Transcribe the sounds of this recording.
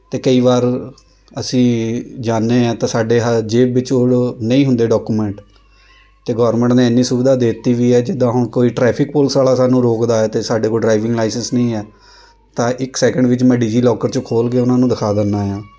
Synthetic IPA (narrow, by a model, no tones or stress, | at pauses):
t̪eːkəiːʋaːɾ | əsĩːd͡ʒaːnːeːãːt̪ãːsaːɖeːɦəd͡ʒeːɪt͡ʃoɽnəĩːɦʊ̃nd̪eːɖɔːkuːmɛ̃ːɳʈ | t̪eːɡɔːɾmə̃ɳʈnẽːɛnːĩːsʊbɪd̪aːd̪eːt̪ːiːʋiːɛːd͡ʒɪd̪ãːɦʊɳkoːiːʈɾɛːpʰɪkpʊlsaːlaːsaːnũːɾoːkd̪aːɛːt̪eːsaːɖeːkoːiɖɾaːɪʋɪ̃ŋɡlaːɪsənsnəĩːɛː | t̪ãːʔɪksɛːkəɳɖʋɪt͡ʃmɛ̃ːɖiːd͡ʒiːlɔːkəɾt͡ʃokʰoːlɡeːʊnãːnũːd̪əɪkʰaːd̪ənːaːjãː